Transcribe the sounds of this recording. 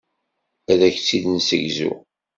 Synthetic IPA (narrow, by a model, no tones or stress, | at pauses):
æðæçt͡sːiðnsəʝzṵ